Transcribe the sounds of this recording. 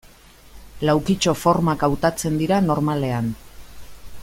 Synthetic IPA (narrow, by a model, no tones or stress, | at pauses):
lawkit͡ʃo̞fo̞ɾmakawt̪at͡se̞nd̪iɾano̞ɾmale̞an